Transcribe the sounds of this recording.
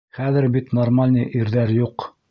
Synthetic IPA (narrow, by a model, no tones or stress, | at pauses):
χæðɘ̆ɾbit̪normalʲnɤjʔiɾðæɾjuq